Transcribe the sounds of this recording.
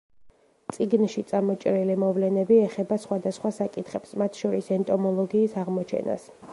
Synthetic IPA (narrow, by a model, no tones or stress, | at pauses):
t̪sʼiɡnʃit̪sʼamɔt͡ʃʼɾilimɔvlɛnɛbiɛχɛbasχwad̪asχwasakʼit̪ʰχɛpsmat̪ʰʃɔɾisɛnt̪ʼɔmɔlˠɔɡiːsaʁmɔt͡ʃʰɛ̰na̰s